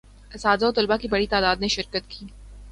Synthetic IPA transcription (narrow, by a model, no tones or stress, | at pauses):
ɐsaːd̪aot̪ʊlbakibɐɽit̪aːd̪aːd̪neʃɪɾkət̪kʰiː